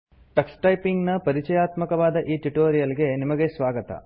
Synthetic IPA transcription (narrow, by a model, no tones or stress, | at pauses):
ʈɐksʈɐjpiŋɡnɐpɐɾit͡ʃɐjaːt̪mɐkɐʋaːd̪ɐʔiːʈuʈoːɾijɐlɡe̞nimɐɡesʋaːɡɐt̪ɐ̰